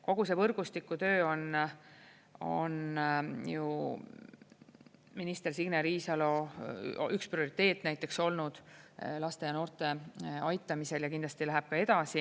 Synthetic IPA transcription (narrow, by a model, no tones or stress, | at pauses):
ko̞ɡ̥use̞vɤrɡ̥ust̪ikːˑut̪ø̞ːo̞n | o̞̰nju | minist̪e̞rsiɡneɾiːsɑlo̞ | yksprio̞ɾit̪ːˑe̞ːt̪ːˑnæjt̪ːˑe̞kso̞lnud̪̥lɑst̪e̞jɑno̞ːrt̪ˑe̞ɑjt̪ːˑɑmise̞ljɑkind̪lɑst̪ilæɦæb̥̚kɑe̞d̪ɑsi